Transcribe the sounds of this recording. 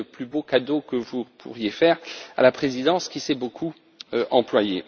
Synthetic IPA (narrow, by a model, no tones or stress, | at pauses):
əplybokad̪okəvupʰṵʁjefɛːʁa̰lapχezid̪ɑ̃skʲisɛbokʰu | øʔɑ̃plwaje